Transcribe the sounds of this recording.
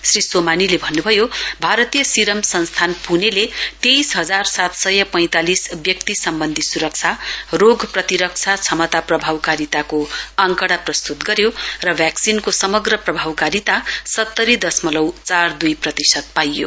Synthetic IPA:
srisomanilebʱʌnːubʱʌjobʱaɾʌt̪ijʌsiɾʌmsʌnst̪ʰanpunelet̪ejsɦʌd͡zarsat̪sʌjʌpʌj̃t̪alisbjʌkt̪isʌmbʌnd̪ʱisuɾʌk̚t͡sʰaroɡprʌt̪iɾʌk̚t͡sʰat͡sʰʌmʌt̪aprʌbʱawkaɾit̪akoʌŋkʌɽaprʌst̪ut̪ɡʌɾjorʌbʱjaksinkosʌmʌɡrʌprʌbʱawkaɾit̪asʌt̪ːʌɾid̪ʌsmʌlʌwt͡sard̪ujprʌt̪isʌt̪̚pajːo̰

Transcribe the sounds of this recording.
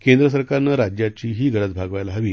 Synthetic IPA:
kend̪ɾəs̬əɾkaɾnːəɾad͡ʑjat͡ɕiːɦiːɡʱəɽət͡sbʱaɡʋajlaɦəʋiː

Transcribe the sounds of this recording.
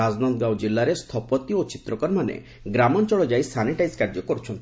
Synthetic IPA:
ad͡ʒnɔt̪ɡawd͡ʒilːaɾest̪ʰɔpɔt̪iot͡ʃit̪ɾɔkɔɾmanḛ | ɡɾamɔnt͡ʃɔɭɔd͡ʒajsʰaniʈajzkaɾd͡ʒɔkɔɾut͡ʃʰɔnt̪ʰ

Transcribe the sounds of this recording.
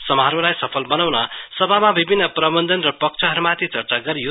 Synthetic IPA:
sʌmaɾolajsʌpʰʌlbʌnawnʌsʌbʱamabibʱinːʌprʌbʌnd̪ʌnrʌpʌk̚t͡sʰʌɦʌɾumat̪it͡sʌrt͡saɡʌɾijo

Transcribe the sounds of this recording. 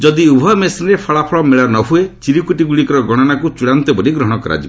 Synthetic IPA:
d͡ʒɔd̪iubʱɔmesinɾepʰɔɭapʰɔɭɔmeɭanɔɦuet͡ʃiɾikuʈiɡuɭikɔɾɔɡɔɽ̃ɔnakut͡ʃuɽant̪ɔbɔɾiɡɾɔɦɔ̃ɽ̃ɔkɔɾa̰d͡ʒib

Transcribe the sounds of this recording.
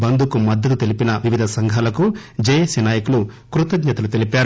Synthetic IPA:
bɐnd̪ʱukumɐd̪ːɐt̪̬ut̪elipinɐʋiʋid̪ʱɐsɐŋɡʱalɐkud͡ʒɐjɐsinaːjɐkulu | kɾut̪ɐɡɲɐt̪ɐlut̪elipaːɾ

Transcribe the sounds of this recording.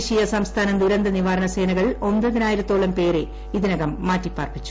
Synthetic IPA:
ɕijɐsɐmst̪ʰaːnɐmd̪uɾɐnd̪ɐniʋaːɾɐnɐse̞ːnɐɣɐɭo̞nbɐðinaːjiɾut̪ːo̞ːɭɐmpe̞ːɾe̞ | iðinɐɣɐmːaːtːipːaːrpit͡ɕːu̥

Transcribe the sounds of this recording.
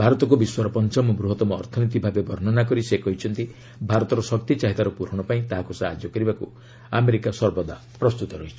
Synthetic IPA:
bʱaɾɔt̪ɔk̬ubiswaɾɔpɔnt͡ʃɔmɔbɾuɦɔt̪ɔmɔ̰ːɾt̪ʰɔnit̪̬ibʱabebʱɔɾnɔnak̬ɔɾisekɔɦit͡ʃʰɔnt̪i | bʱaɾɔt̪ɔɾɔsɔk̚t̪it͡ʃaɦit̪aɾɔpuɾ̤ɔɽ̃ɔpaĩt̪aɦakusaɦa̰d͡ʒjɔkɔɾibaku | ameɾikasɔɾbɔd̪a̰ | pɾɔst̪ut̪ɔɾɔɦit͡ʃʰi̥

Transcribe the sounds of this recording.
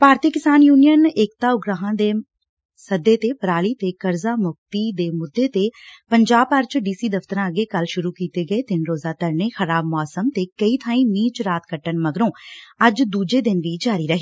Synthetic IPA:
paːɾt̪iːkɪsaːnjuːnijənɪːk̚t̪aːʊɡɾaːɦãːd̪eː | səd̪ːeːt̪eːpəɾaːliːt̪eːkəɾzaːmʊk̚t̪iːd̪eːmʊd̪ːeːt̪eːpəɲd͡ʒaːbpəɾt͡ʃɖiːsiːd̪əft̪əɾãːəɡeːkəlʃʊɾuːkiːt̪eːɡəeːt̪ɪnɾoːzaːt̪əɾneːxəɾaːbmɔːsəmt̪eːkəiːt̪ʰãːĩːmiːt͡ʃɾaːt̪kəʈːənməɡɾõːəd͡ʒd̪uːd͡ʒeːd̪ɪnʋiːd͡ʒaːɾiːɾəɦiː

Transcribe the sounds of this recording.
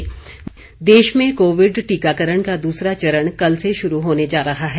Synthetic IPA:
d̪eːʃmẽkoːʋɪɖʈiːkaːkəɾəɳkad̪uːsɾat͡ʃɐɾəɽ̃kɐlseʃʊɾuɦoːned͡ʒaːɾɐɦaɦɛ

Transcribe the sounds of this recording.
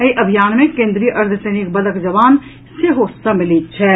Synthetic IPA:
ɐiʔɐbʱijaːnmẽkẽːnd̪ɾijəʔɐɾd̪ʰʱəsɐːnɪkbɐləkd͡ʒɐʋaːn | seɦoːsamɪlit̪̚t͡ʃʰɛː

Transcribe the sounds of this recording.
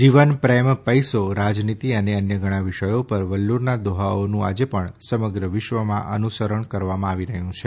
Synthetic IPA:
d͡ʒiʋənpɾempəjsoɾad͡ʒnit̪iəneənjəɡʱəɽ̃ãʋɪʃəjopəɾʋəlːuɾnad̪oɦaonũa̰d͡ʒepəɳsəməɡɾəʋɪʃʋəmã̰ʔə̰nusəɾəɳkəɾʋamãaʋiɾəɦjũt͡ʃʰe

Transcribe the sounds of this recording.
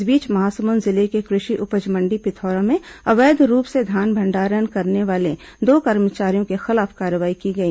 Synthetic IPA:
biːt͡ʃmɐɦaːsəmʊnzɪlekekɾɪʃiʔʊpəd͡ʒmə̃ɳɖipɪt̪ʰɔːɾãmẽɐʋeːd̪ɾuːpsed̪ʱaːnbʱɐ̃ɳɖaːɾənkɐɾneʋaːle | d̪oːkɐɾmət͡ʃaːɾijõkexɪlaːfkaːɾəʋaːikiɡɐiː

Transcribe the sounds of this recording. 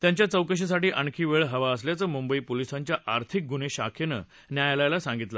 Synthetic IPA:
t̪jãɲt͡ɕjat͡səwkəɕ̬is̬aʈiːʔəɳkʰiːʋeɭɦəʋaəs̬ljat͡səːmumbəiːpolisãɲt͡ɕjaʔaɾt̪ʰik̚ɡuneɕa̰kʰenə̰ | njajlajlasãŋɡit̪la

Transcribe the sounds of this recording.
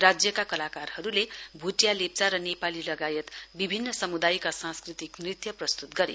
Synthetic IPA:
rad͡zjʌkakʌlakarhʌɾulebʱuʈjalep̚t͡saɾʌnepalilʌɡajʌt̪bibʱinːʌsʌmud̪ajkasãnskrit̪ikmrit̪jʌprʌst̪ut̪ɡʌɾḛ

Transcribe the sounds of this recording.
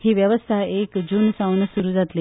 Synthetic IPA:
hiːʋjəʋəst̪ʰaekd͡ʑunsawnsuɾuːd͡zat̪le

